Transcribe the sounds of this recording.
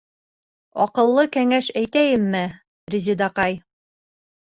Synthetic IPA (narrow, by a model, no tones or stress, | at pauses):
ɒqɤ̆lˠːɤkæŋæʃæjt̪æjɘmːɘ | rʲizʲid̪ɑqɑj